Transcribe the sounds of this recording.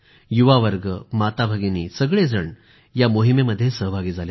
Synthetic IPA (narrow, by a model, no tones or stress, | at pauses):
juʋaʋəɾɡəmat̪abʱaɡiniːsəɡɭed͡zəɳ | jamoɦimeməd̪ʱːjesəɦəbʱaɡiːd͡zʱale